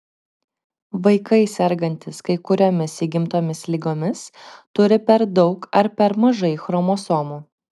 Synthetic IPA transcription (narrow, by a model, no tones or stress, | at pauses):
ʋɐɪkɐɪsʲɛɾɡɐnʲt̪ʲɪskɐɪkʊɾʲoːmʲɪsiːɡʲɪmt̪oːmʲɪslʲiɡoːmʲɪst̪ʊɾʲɪpʲɛɾd̪ɒʊkɐɾpʲɛɾmɐʒɐɪxɾɔmoːsoːmuː